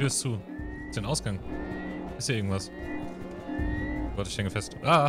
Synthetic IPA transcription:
yːɐst͡suː | ɪstd̥aɪnʔaʊsɡ̥aŋ | ʔɪsthiːʔɪɐɡŋ̩tv̥as | v̥ɔtɪçʃlɛŋkəfɛstʔaː

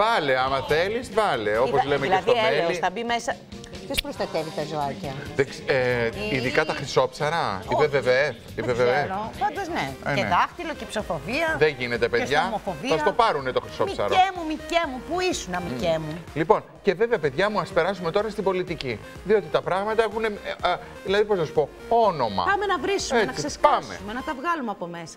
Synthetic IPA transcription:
vɐleɐmɐθe̞lisvɐle̞o̞po̞zlemecest̪oelisθɐbime̞sɐ | t̪ospɾost̪ɐt̪evit̪ɐzoɐcɐðekseiðikɐt̪ɐxɾiso̞psɐɾɐipeveve | ipeveveopɐnd̪ozneeɐft̪ilocepsofoviɐðeʝine̞t̪epeʝɐmofoviɐsɐt̪o̞pɐɾunet̪o̞xɾi̥so̞psɐ̰ɾoemumicemupuisunɐmicemulipo̞n | ce̞ve̞ve̞ɐpe̞ðʝɐmuɐspe̞ɾɐs̬ume̞t̪o̞ɾɐst̪ibo̞lit̪ici | ðio̞t̪it̪ɐpɾɐɣmɐt̪ɐexune̞ | ðilɐðiposnɐsu̥po̞ | o̞no̞mɐ̰pɐmenɐvɾisuenɐsksesskpɐmseumenɐt̪ɐvɣɐlumeɐpome̞sɐ̥

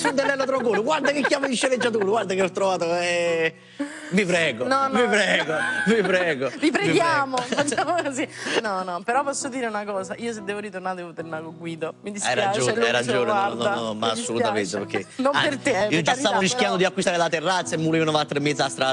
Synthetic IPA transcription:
sunt̪ɛlːɛlːot̪ɾɔkoːluɡward̪akekːjaːmaiʃeled͡ʒːat̪̬uːɾoɡward̪akeɔt̪ːɾovaːt̪oɛ | mipɾɛːɡonɔmipɾɛːɡomipɾɛːɡot̪ipɾeɡjaːmofat͡ʃːamokozinɔnɔpeɾɔpɔsːod̪iːɾeunakɔːsaʔiːosed̪ːɛvoɾit̪ornaːɾd̪ɛvot̪ornaɡoɡwiːd̪omid̪isɛɾaad͡ʒoɛɾad͡ʒonwanaɔnɔmaasːoluament̪epeɾkʰːenompeɾt̪eiːod͡ʒast̪avoɾiskjand̪od̪iakːwist̪aːɾelat̪erːat̪sːaemːulionovat̪ːɾemːɛd̪zast̪ɾa

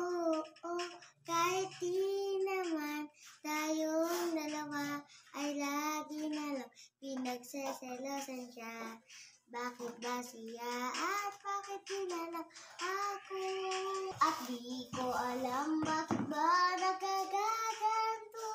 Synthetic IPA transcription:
ʔoʔokaːhɪt̪̚dinɐmant̪aːjoŋd̪ɐlɐwaʔɐjlaɡɪnɐlɐŋpɪnɐɡsɛsɛlosɐnʃa | baːkɪt̪̚basɪjaɐt̪̚baːkɪt̪̚ːinalaŋʔako | ʔɐt̪̚d̪ikoʔɐlambaːkɪt̪̚banɐɡaɡaɡant̪o

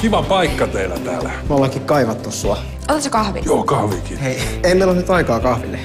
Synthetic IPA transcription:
kiʋɑpɑikːɑt̪eilæ̰t̪æ̰ːlæmolːɑkikkɑiʋɑt̪ːussuɑ | onɑtsekɑhʋḭjoːkɑhʋikiheieimeˑilolnyt̪ɑikɑːkɑhʋilːe

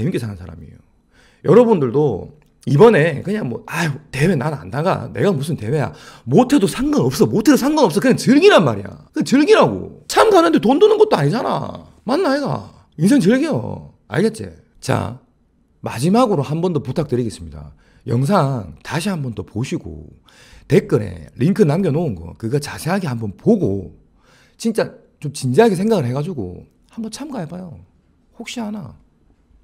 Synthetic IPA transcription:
emik͈isʰaŋansʰaɾa̰mḭjo | jʌɾʌbundɯɭdo | ibʌne̞kɯɲaŋmwʌaite̞we̞nana̰ndaɡa̰ne̞̰ɡamus̬ʰɯnte̞we̞ja̰motʰe̞dosʰaŋɡʌnʌp̚s͈ʌmotʰe̞dosʰaŋɡʌnʌps͈ʌkɯɲaŋt͡ɕɯɭɡiɾanmaɾija̰kɯet͡ɕɯɭɡiɾaɡo̰t͡ɕʰamɡanɯnde̞tondonɯnɡʌt͈̚oaɲid͡ʑana̰ | manːaiɡa̰ | ins̬ʰe̞ŋt͡ɕɯɭɡijo̰ | a̰ɭɡet̚t͡ɕ͈ḛ | t͡ɕa̰ | ma̰d͡ʑimaɡɯɾohambʌndoputʰak̚t͈ɯɾiɡes͈ɯmɲida̰ | jʌŋs̬ʰaŋtaɕ̬ʰihambʌndopoɕʰiɡo̰ | te̞k͈ɯɾḛɾʔiŋkʰɯnamɡjʌnounɡʌ̰kɯɡat͡ɕasʰe̞ɦaɡehambʌnpoɡo̰ | t͡ɕint͡ɕ͈a | t͡ɕomt͡ɕind͡ʑeɦaɡes̬ʰe̞ŋɡaɡɯɭhe̞ɡad͡ʑuɡo̰ | hambʌnt͡ɕʰamɡaɭpajo̰ | hok̚ɕ͈iɦana̰

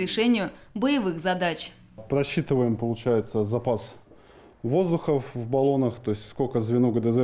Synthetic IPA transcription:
ɾʲɪʂɛnʲɪjʊbəjɪvɨxzɐd̪at͡ɕ | pɾɐɕːit̪ɨvəjɪmpəlˠʊt͡ɕæjɪt̪səzɐpas | vo̞zd̪ʊxəvbɐlˠo̞nəxt̪o̞jɪsʲtʲskolʲkəzvʲɪnuɡəd̪ɛzɛ

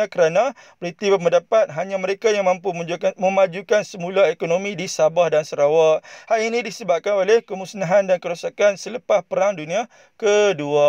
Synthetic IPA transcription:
akəɾanã | bɾit̪ibəməndapat̪̚ɦaɲãməɾekajaŋmãmpumd͡ʒuamə̃mad͡ʒukansəmũlaɦekonomĩdisabahdansəɾawaʔhalinĩdisəbap̚kanolehkəmusnaɦandankəɾusakansələpaspəɾaŋdunĩa | kədua

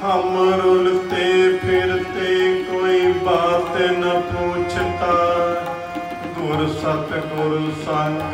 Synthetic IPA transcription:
ɦəmɾʊlt̪epʰɪɾt̪ekoːiːbaːt̪enəpuːt͡ʃʰt̪aː | ɡʊɾsət̪ɡʊɾsa

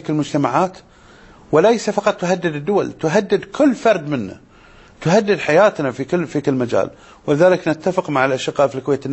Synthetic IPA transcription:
kɪlmʊd͡ʒt̪amaʕaːt̪ | wɪlajsafɑqɑt̪ˤːʊɦad̪ːɪd̪ɪd̪ːʊwa̰lt̪ʊɦad̪ːɪd̪kʰʊlːfɑɾˤd̪mɪnːa̰ | t̪ʊɦad̪ːɪd̪ħajaːt̪nafikɪlːfikɪlːmad͡ʒa̰ːl | wɪlɪðaːlɪknɪt̪ːafɪqmaʕɪlʔaʃɪqːɑːʔfilkweːt̪ɪnː

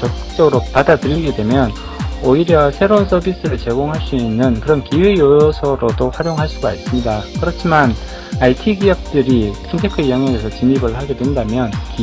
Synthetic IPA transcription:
t͡ɕʌk̚k͈k̚t͡ɕ͈ʌɡɯɾopadadɯɾiɡedwe̞mjʌn | oiɾjʌsʰe̞ɾounsʰʌbis͈ɯɾɯɭt͡ɕe̞ɡoŋɦaɭs͈uinːɯnkɯɾʌnkiwe̞jojosʰʌɾodoɸwaɾjoŋɦaɕʰiɡais͈ɯmɲidakɯɾʌt͡ɕʰiman | aitʰiɡijʌk̚t͈ɯɾisʰintʰe̞kʰɯijaŋaŋɡesʰʌt͡ɕimibɯɭhaɡe̞dwe̞ndamjʌnk

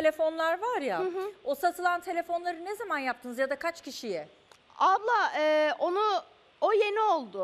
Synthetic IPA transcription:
t̪ʰelʲe̞fo̞nlˠaɾvaɾjaɦo̞sat̪ʰɯlˠant̪ʰe̞lʲe̞fo̞nlˠaɾɯnezamanjapt̪ʰɯnɯzjad̪akʰat͡ʃcʰiʃijɛ | ablˠaːɛːo̞nu | oje̞nio̞lˠd̪ʊ

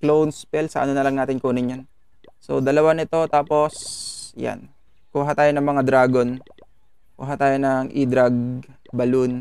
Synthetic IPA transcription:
klownspɛlsɐ̰ʔɐ̰nonɐlɐŋnaːt̪ɪnkuːnɪɲjon | so̰d̪ɐlɐwanɪt̪o̞t̪aːpo̞sja̰n | kuɦat̪aːjonɐŋmɐŋad̪ɾaːɡo̞n | kʊ̰ɦat̪aːjonɐŋʔid̪ɾɐɡ̚ | bɐlʊn

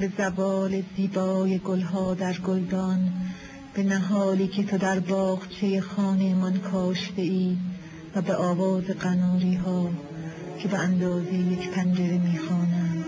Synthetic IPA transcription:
be̞zævɒːleziːbɒːje̞ɡolɦɒːd̪æɾɡold̪ɒːn | b̥e̞næɦɒːliːcʰe̞t̪ʰo̞d̪æɾbɒːɣt͡ʃʰe̞jexɒːnemɒnkʰɒːʃd̪e̞iː | væbeʔɒːvɒːze̞ɡænɔːɾiːɦɒː | cʰe̞beænd̪ɒːzejejekpʰænd͡ʒeɾemiːxɒːnæ̥

